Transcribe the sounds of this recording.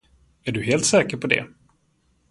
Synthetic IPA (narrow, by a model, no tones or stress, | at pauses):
æɖɵɦeːlt̪sɛːkəɾpʰɔd̪ɛ̰